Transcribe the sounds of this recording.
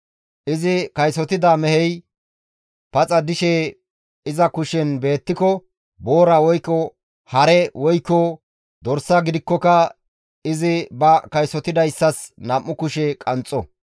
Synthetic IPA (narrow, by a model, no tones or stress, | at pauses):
ʔɪzɪkɐjsɔt̪ɪd̪aːmɛhɛj | pɐt͡sʼɐd̪ɪʃe | ɪzɐkʊʃɛnbe̞ːt̪ːɪkɔ | bo̞ːɾɐwɔjkːɔ | hɐɾɛwɔjkːɔ | d̪ɔɾsɐɡɪd̪ɪkːɔkɐ | ɪzɪbɐkɐjsɔt̪ɪd̪ɐjsːɐsnɐmʔːʊkʊʃɛkʼɐnt͡sʼːɔ